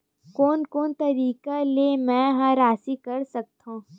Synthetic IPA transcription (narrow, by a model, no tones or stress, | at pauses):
koːnkoːnt̪ɐɾiːkalemɛ̃ɦãɾaːsikɐɾsɐk̚t̪ɦõː